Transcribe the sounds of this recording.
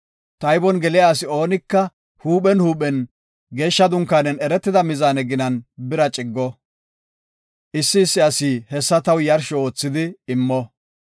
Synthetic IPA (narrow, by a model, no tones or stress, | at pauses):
t̪ɐjbɔnɡɛlɪjaːsɪo̞ːnɪkːɐ | huːpɛnhuːpɛn | ɡe̞ːʃːɐd̪ʊŋkːaːnɛnɛɾɛt̪ːɪd̪ɐmɪzaːnɛɡɪnɐnbɪɾɐt͡ʃʼɪɡːɔ | ʔɪsːɪːsːɪɐsiːhɛsːɐt̪ɐwjɐɾʃɔo̞ːt͡sːɪd̪ɪɪmːɔ